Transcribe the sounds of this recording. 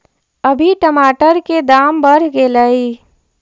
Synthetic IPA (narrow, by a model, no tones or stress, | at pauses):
əbʱiʈəmaːʈəɾked̪aːmbəɾ̤ɡeləi